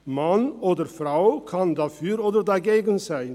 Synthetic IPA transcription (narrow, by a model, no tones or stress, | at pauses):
mɑnoːdəɾfrawkʰɑndɑfyːɾoːdəɾdɑɡeːɡənsɛɪn